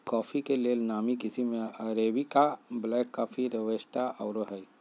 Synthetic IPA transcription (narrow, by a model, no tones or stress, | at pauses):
kɔːpʰikelelnaːmikɪsimẽəɾeːbikablɛːkːaːfʰiɾəʋəsʈ̪aʔɔːɾoɦɛj